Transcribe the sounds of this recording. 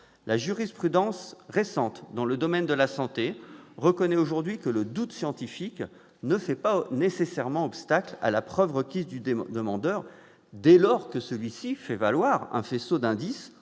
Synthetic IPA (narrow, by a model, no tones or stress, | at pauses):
laʒyʁispχyd̪ɑ̃sʁesɑ̃t̪d̪ɑ̃ləd̪ɔmɛnd̪əlasɑ̃t̪eʁəkɔnɛoʒuʁd̪ɥikələd̪ut̪sjɑ̃t̪ifik | nəfɛpanesesɛʁmɑ̃ɔpst̪akla̰lapχœvʁəkʲizd̪yd̪əmɑ̃d̪œʁ | d̪elɔʁkəsəlɥisifɛvalwaʁɛ̰̃fesod̪ɛ̃d̪is